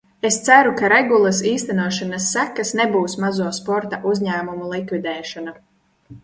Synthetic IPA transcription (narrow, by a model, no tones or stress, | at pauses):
est̪sæɾukaɾeɡulˠasiːst̪ænuɔʃanasːækːasnebuːsmazuɔspɔɾt̪aʔuzʲɲæːmumulˠikvid̪ɛːʃɔna